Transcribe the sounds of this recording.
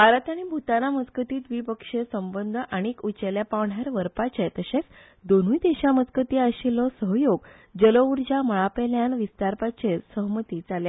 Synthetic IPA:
bʱaɾat̪aɽ̃ibʱut̪anamət͡skət̪iːt̪ʋiːpəkʂesəmbənd̪ʱəʔaɽ̃ikut͡ɕeljapaʋɳ̤aɾʋəɾpat͡ɕet̪əɕet͡s | d̪on̤ujt̪eɕamət͡skət̪iaɕilɔsəɦjoɡ | d͡ʑəlouɾd͡ʑaməɭapeljanʋist̪aɾpat͡ɕeɾsəɦmət̪id͡zalja

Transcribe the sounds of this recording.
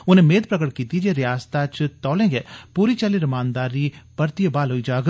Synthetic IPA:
ʊnẽːmeːd̪pɾəkəʈkiːt̪id͡ʒeːɾɪjaːst̪at͡ʃt̪ɔːlẽːɡeːpuːɾit͡ʃaliɾɐmaːnd̪aːɾipəɾt̪ijəbaːlɦoːid͡ʒaːɡ

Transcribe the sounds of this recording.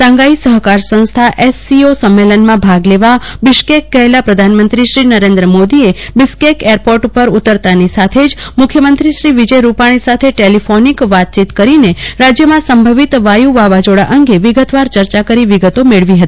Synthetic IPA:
sãŋɡaisəɦkaɾsə̃st̪ʰaʔesːiosəmːelənmãbʱaɡleʋabɪʃkekːəɦelapɾəd̪ʱanmə̃nt̪ɾiʃɾinəɾẽnd̪ɾəmod̪iebɪskekeɾpoɾʈupəɾut̪əɾt̪anisat̪ʰed͡ʒmʊkʰːjəmənt̪ɾiʃɾiʋid͡ʒəjɾupaɽ̃isat̪ʰeʈelifʰonikʋat̪̚t͡ʃit̪kəɾineɾad͡ʒjəmãsəmbʱəʋit̪ʋajuʋaʋad͡ʒoɽa̰ʔəŋɡeʋiɡət̪ʋaɾt͡ʃəɾt͡ʃakəɾiʋiɡət̪omeɭʋiɦət̪ii

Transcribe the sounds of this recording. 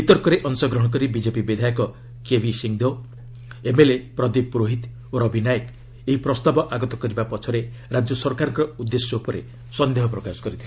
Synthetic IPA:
bit̪ɔɾkɔɾeʔɔŋsɔɡɾɔɦɔk̬ɔɾibid͡ʒepibid̪ʱajɔkɔ | kebʱisiŋd̪o | emelepɾɔd̪ipɾoɦit̪ | oɾɔbʱinajɔk | eɦipɾɔst̪abɔʔaɡɔt̪ɔkɔɾibapɔt͡ʃʰɔɾe | ɾad͡ʒjɔsɔɾkaɾɔŋkɔɾɔud̪ːesjɔupɔɾe | sɔnd̪eɦɔpɾɔkasɔ̥kɔɾit̪ʰil

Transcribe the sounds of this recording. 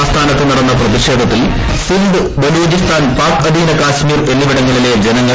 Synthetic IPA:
st̪ʰaːnɐt̪ːɨniɽɐnːɐprɐðiɕeːd̪ʱɐt̪ːil | sinɖ̪ɨ | bɐluːd͡ʑist̪aːnpaːkɐd̪ʱiːlɐkaːɕmiːrʋelːiʋiɽɐŋːɐɭiled͡ʑenɐŋːɐ

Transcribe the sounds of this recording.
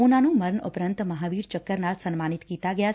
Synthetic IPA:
onanũməɾnəpɾənt̪məɦaʋiːɾt͡ʃəkːəɾnalsənmanit̪kit̪aɡəja

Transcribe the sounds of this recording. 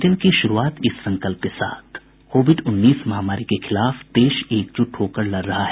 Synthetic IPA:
ʈəlkiʃʊɾuaːt̪ɪsːɐ̃ŋkəlp̚kesa̰ːt̪ʰ | koːʋɪɖʊnːiːsmɐɦamaːɾikexɪlaːfd̪eːʃeːk̚t͡ʃʊʈɦoːkəɾlɐɾːɐɦaɦɛː

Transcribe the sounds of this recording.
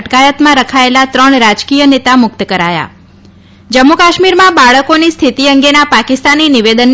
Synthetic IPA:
ʈkajət̪mãɾəkʰaelat̪ɾəɳɾad͡ʒkijənet̪amʊk̚t̪əkəɾaja̰ | d͡ʒəmːukaʃmiɾmãbaɭəkonist̪ʰit̪iəŋɡenapakist̪aniniʋed̪ən

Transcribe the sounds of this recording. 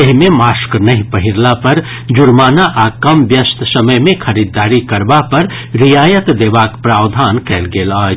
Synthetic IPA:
eɦimẽmaːsknɐɦĩpəɦiɾlapɐɾ | d͡ʒʊɾmaːnaʔaːkɐmbjəst̪ʰsɐməjmẽkʰɐɾid̪ːaːɾikɐɾbapɐɾ | ɾijaːjət̪d̪eːʋaːkpɾaːwd̪ʱaːnkɛːlɡeːlaː

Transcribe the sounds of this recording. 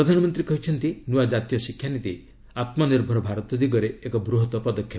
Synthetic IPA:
ɾɔd̪ʱanɔmɔnt̪ɾikɔɦit͡ʃʰɔnt̪inuad͡ʒat̪ijɔsikʰjanit̪i | at̪mɔniɾbʱɔɾɔbʱaɾɔt̪ɔd̪iɡɔɾeekɔbɾuɦɔt̪ɔpɔd̪ɔkʰːjɔ

